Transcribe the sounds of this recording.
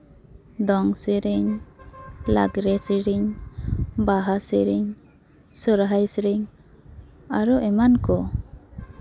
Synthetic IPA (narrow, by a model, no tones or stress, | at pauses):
d̪ɔŋsɛɾiɲ | la̰ɡɾɛsiɾiɲ | baɦasiɾiɲ | sɔɾɦajsɾiɲ | aɾɔʔɛmankɔ